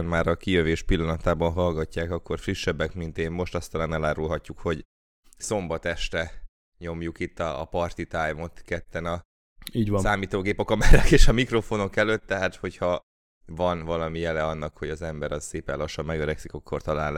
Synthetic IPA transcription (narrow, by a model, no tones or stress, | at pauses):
nmaːɾɒkijøveːʃpilːɒnɒt̪aːbɒnɦɒlɡɒcːaːkɒkːo̞rfriʃːɛbːɛkmint̪eːmmo̞ʃt̪ɒst̪ɒlaːnɛlaːɾulɦɒcːukho̞ɟ | so̞mbɒt̪ɛʃt̪ɛ | ɲo̞mjukit̪ːɒːpɒrt̪it̪ajmo̞t̪kɛt̪ːɛnɒ | iːɟvsaːmiːt̪oːɡeːpɒkɒmɛɾɛkeːʃɒmikro̞fo̞no̞kɛløːt̪ːɛɦaːt̪ho̞chɒ | vɒnvɒlɒmijɛlɛɒnːɒkho̞ɟɒzɛmbɛɾɒzseːpɛ̰nlɒʃːɒmːɛɡøɾɛksikɒkːo̞rt̪ɒlaːl